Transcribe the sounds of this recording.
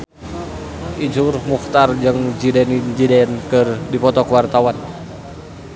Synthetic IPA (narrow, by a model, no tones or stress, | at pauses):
ʔid͡ʒurmuxt̪ard͡ʒɨŋd͡ʒidɛnind͡ʒidɛnkɨrdipɔt̪ɔkwart̪awan